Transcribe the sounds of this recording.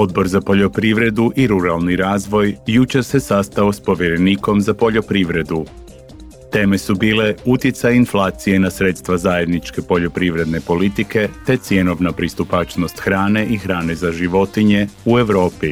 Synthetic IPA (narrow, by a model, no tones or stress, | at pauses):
o̞d̪̚bo̞ɾzapo̞ʎo̞pɾiʋɾe̞d̪uʔiɾuɾalˠniɾaːzʋo̞jjut͡ʃe̞ɾse̞sast̪ao̞spo̞ʋjeɾe̞niːko̞mzapo̞ʎo̞pɾiʋɾe̞d̪u | t̪e̞ːme̞subiːle̞ut̪jet̪sajinflˠaːt̪sije̞nasɾe̞t̪st̪ʋazaje̞d̪nit͡ʃke̞po̞ʎo̞pɾiʋɾe̞d̪ne̞po̞lit̪ike̞t̪e̞t̪sje̞no̞ʋnapɾist̪upat͡ʃno̞st̪xɾaːne̞ʔixɾaːne̞zaʒiʋo̞t̪iɲe̞ue̞ʋɾo̞ːpi